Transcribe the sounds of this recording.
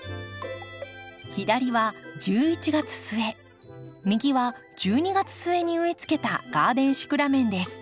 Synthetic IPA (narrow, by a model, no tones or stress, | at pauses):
çid̪aɾʲiβad͡ʑɨːit͡ɕiɡat͡sɨ̥sɨe̞ | mʲiɡʲiβad͡ʑɨːɲ̟iɡat͡sɨ̥sɨe̞ɲ̟iɯ̟it͡sɨ̥ke̞t̪a̰ɡ̥aːd̪ẽ̞ɰ̃ɕi̥kɯ̟ɾamẽ̞nd̪e̞sɨ̥